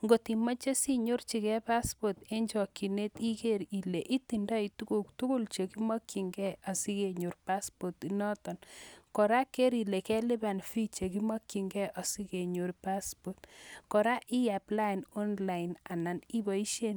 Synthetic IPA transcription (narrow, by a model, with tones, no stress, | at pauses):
ŋɡo˨ti˨ma˦t͡ʃe˦si˦ɲo˦rt͡ʃi˨kɛ˦pa˦spo˨te˦ɲd͡ʒɔ˨kːi˨ne˦ti˦ke˦ɾi˨le˨ʔi˦ti˨nda˦i˨tu˦ku˦ktu˦ku˦lt͡ʃe˨ki˦ma˦kːi˨ŋɡɛ˦a˨si˦ke˨ɲo˨ɾpa˦spɔ˨tinɔ˦tɔ˨nkɔ˨ɾa˦ke˦ɾi˨le˨kɛ˦li˦ba˨nfi˦t͡ʃe˨ki˦ma˦kːi˨ŋɡɛ˦ʔa˨si˦ke˨ɲo˨ɾpa˦spo˨tkɔ˨ɾa˦ʔi˦ja˨pla˦nɔ˦nla˨ina˨na˨ni˦bɔ˨i˦ʃe˦n